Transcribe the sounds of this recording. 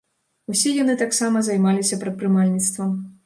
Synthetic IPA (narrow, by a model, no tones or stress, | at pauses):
usʲɛjan̪ɨt̪aksamɐzɐjmalʲisʲɐpɾɐt̪̚pɾɨmalʲnʲit̪st̪vɐm